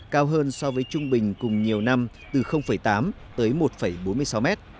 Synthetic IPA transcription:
kaː˧wɦəː˧nsɔ˧vəː˨˦jt͡ɕʊ˧ŋ͡mɓï˨˩ŋ̟kʊ˨˩ŋ͡mɲi˨˩əwna˧m | t̪ɨ˨˩xə˧wŋ͡mfə˧˩jt̪aː˨˦m | t̪əː˨˦jmo˨˩t̚fə˧˩jɓo˨˦nmɨ˧əjsa˨˦wmɛ˦˥t̚

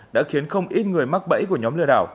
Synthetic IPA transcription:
ɗa̰ː˧˥xi˨˦ənxə˧wŋ͡mʔi˦˥t̚ŋɨ˨˩əjma˦˥k̚ɓə̰˧˥jku˧˩əɲɔ˨˦mlɨ˧əɗaː˧˩w

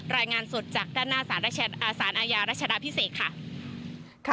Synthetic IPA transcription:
ɾaː˧jŋaː˧nso˨˩t̪̚t͡ɕaː˨˩k̚daː˥˩nːaː˥˩saː˩˦nɾaː˦˥˧saː˩˦nʔaː˧jaː˧ɾa˥t̪̚t͡ɕʰa˧da˦˧˥pʰi˦˥seː˨˩t̪̚kʰa˥˩ | kʰ

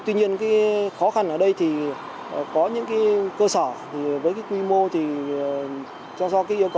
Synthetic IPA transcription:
t̪wi˧ɲi˧ənkaː˨˦jxɔ˨˦xa˧nʔəː˧˩ɗə˧jt̪ʰi˨˩˨ | kɔ˨˦ɲɨ̰˧˥ŋkaː˨˦jkəː˧səː˧˩t̪ʰi˨˩vəː˨˦jkaː˨˦jkwi˧mo˧t̪ʰi˨˩ | t͡ɕɔ˧wŋ͡msɔ˨˦kaː˨˦ʔi˧əwkə˨˩˨

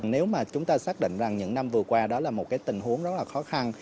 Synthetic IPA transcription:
ŋne˨˦wmaː˨˩t͡ɕʊ˨˦ŋ͡mt̪aː˧saː˦˥k̚ɗḭ˧˨ŋ̟za˨˩ŋɲɨ̰˧˥ŋna˧mvɨ˨˩əkwaː˧ɗɔ˨˦laː˨˩mo˨˩t̚kaː˨˦jt̪ï˨˩ŋ̟ɦu˨˦əŋzə˦˥t̚laː˨˩xɔ˨˦xa˧n

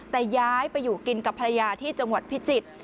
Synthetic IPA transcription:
t̪ɛː˨˩jaː˦˥jpa˧jːuː˨˩ki˧nka˨˩pʰːa˧ɾa˧jaː˧t̪ʰiː˥˩t͡ɕa˧ŋwa˨˩t̪̚pʰi˦˥t͡ɕi˨˩t̪̚

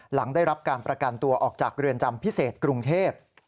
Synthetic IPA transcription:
la˩˦ŋdaː˥˩jɾa˦˥p̚kaː˧npɾa˧ka˧nt̪u˧ɐʔɔː˨˩k̚t͡ɕaː˨˩k̚ɾɯ˧ənt͡ɕa˧mpʰi˦˥seː˨˩t̪̚kɾu˧ŋt̪ʰeː˥˩p̚

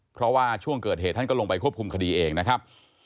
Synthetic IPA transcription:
pʰɾɔ˦˥waː˥˩t͡ɕʰu˥˩əŋkɤː˨˩t̪̚heː˨˩t̪ʰːa˥˩kɔ˥˩lo˧ŋpa˧jkʰu˥˩əpkʰu˧mkʰa˧diː˧ʔeː˧ŋna˦˥kʰa˦˥p̚

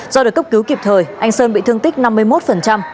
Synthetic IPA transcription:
zɔ˧ɗəː˨˩kə˦˥k͡p̚ki˨˦wki˨˩p̚t̪ʰəː˨˩jʔa˧jŋ̟səː˧nɓḭ˧˨t̪ɨ˧əŋt̪ï˦˥k̟̚na˧mːɨ˧əjmo˦˥t̚fə˨˩nt͡ɕa˧m

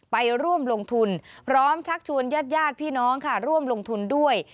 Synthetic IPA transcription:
pa˧jɾu˥˩əmlo˧ŋt̪ʰu˧npʰɾɔː˦˥mt͡ɕʰa˦˥k̚t͡ɕʰu˧ənjaː˥˩t̪̚jaː˥˩t̪̚pʰiː˥˩nɔː˦˥ŋkʰa˥˩ɾu˥˩əmlo˧ŋt̪ʰu˧ndu˥˩əj

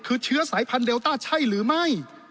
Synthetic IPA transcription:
kʰɯː˧t͡ɕʰɯ˦˥ɐsaː˩˦jpʰa˧ndeː˧wt̪aː˥˩t͡ɕʰa˥˩jɾɯː˩˦ma˥˩j

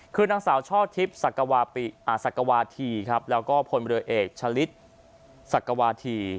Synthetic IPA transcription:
kʰɯː˧naː˧ŋsaː˩˦wt͡ɕʰɔː˥˩t̪ʰi˦˥p̚sa˨˩ka˧waː˧pi˨˩ʔaː˨˩sa˨˩kːa˧waː˧t̪ʰiː˧kʰa˦˥p̚lɛː˦˥wkɔː˥˩pʰo˧nɾʔeː˨˩k̚t͡ɕʰa˧li˦˥t̪̚ | sa˨˩kːa˧waː˧t̪ʰiː˧

